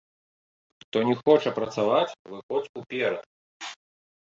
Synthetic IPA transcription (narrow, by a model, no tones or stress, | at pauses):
t̪ɔnʲɛxɔt͡ʂɐpɾɐt̪savat͡sʲvɨxɔt͡s̪upʲɛɾɐt̪̚